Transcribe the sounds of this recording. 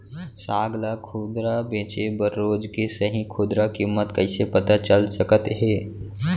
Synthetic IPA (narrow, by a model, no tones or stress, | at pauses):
saːɡlakʰuːd̪ɾabẽːt͡ʃebəɾːoːd͡ʒkesəɦĩkʰʊːd̪ɾakiːmːət̪kɐɪsepɐt̪at͡ʃəlsəkət̪ɦɛː